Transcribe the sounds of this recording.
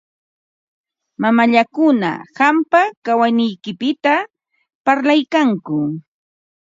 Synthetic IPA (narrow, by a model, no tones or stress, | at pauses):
mamaʎakʊna̰hampakawanɪjkɪpɪt̪a | paɾlajkaŋkʊ